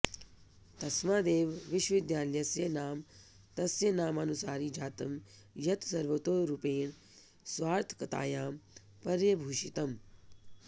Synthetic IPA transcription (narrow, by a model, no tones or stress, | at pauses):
t̪ɐsmaːd̪eːʋʋɪʃʋɐʋɪd̪jaːljɐsjɐnaːm | t̪ɐsjɐnaːmɐnusaːɾid͡ʒʱaːt̪ɐm | jɐt̪sɐɾʋɐt̪oːɾupeːɳ | sʋaːɾt̪ʰkɐt̪a̰ːjaːm | pɐɾjɐbʱuːʃit̪ɐm